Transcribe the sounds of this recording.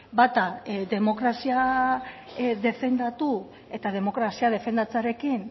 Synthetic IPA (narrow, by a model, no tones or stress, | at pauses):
bat̪ad̪e̞mo̞kɾasia | ðe̞fe̞nd̪at̪u | e̞t̪að̞e̞mo̞kɾasiað̞e̞fe̞nd̪at͡saɾe̞kin